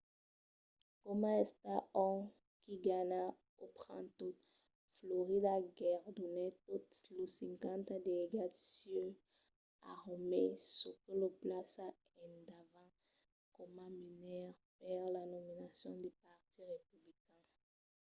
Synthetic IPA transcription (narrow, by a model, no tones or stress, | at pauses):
kɔmãɛst̪aɔ̃ | kiɡana | opχɑ̰̃t̪o | floʁid̪aɡɛʁd̪unɛt̪ot̪lusɛ̃ŋkãnt̪ad̪eeɡasjø | a̰ʁomesokəloplasa | ɛ̃nd̪avã | kɔmãminɛʁ | pɛʁlanɔminasjɔ̃d̪epaʁt̪iʁepyblikɛ̃